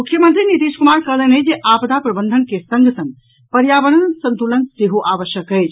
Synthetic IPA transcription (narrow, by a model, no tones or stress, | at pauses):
mukʰːjəmənt̪ɾinit̪iʃkumaɾkəɦlənəd͡ʒeʔapd̪apɾɐbənd̪ʱənkesə̃ŋɡʱəsə̃ŋ | pəɾjabəɽ̃ənsə̃nt̪ulənseɦoʔaʋəʃjəkəjt͡ʃʰ